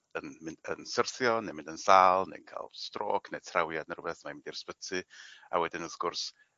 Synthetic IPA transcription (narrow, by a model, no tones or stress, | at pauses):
ənmɪnə̰nsərθjɔnejmɪ̃ndənsaːlˠnḛjnkʰa̰lˠstro̰ːknejtʰrawjadnərʊbɛθmaimɪndirspətʰɨa̰wɛdɪnəðɡʊrs